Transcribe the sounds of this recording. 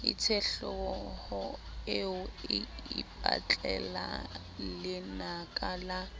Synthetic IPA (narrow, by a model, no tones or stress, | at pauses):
ɪ̰t͡sʰɛɬɔɔhʊɪʊɪːpʼa̰t͡ɬʼɛla̰ | lɪnakʼala